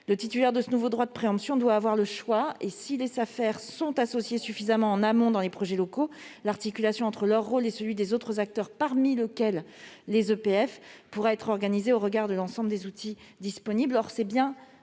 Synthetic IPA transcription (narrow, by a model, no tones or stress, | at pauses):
lət̪it̪ylɛʁd̪əsənuvod̪ʁwad̪əpχeɑ̃psjɔ̃d̪waːvwaʁləʃwaesilesafɛʁsɔ̃t̪asɔsjesyfizamɑ̃ːnamɔ̃d̪ɑ̃lepχɔʒɛlɔkolaʁt̪ikʲylasjɔ̃ɑ̃t̪χəlœʁːolesəlɥid̪ezot̪χəzak̚t̪œʁpaʁmiləkʲɛlː | ezøpeɛfpuʁaɛt̪χɔʁɡanizeoʁəɡaʁd̪əlɑ̃sɑ̃bləd̪ezut̪ʰid̪ispɔniblɔʁsɛbjɛ̃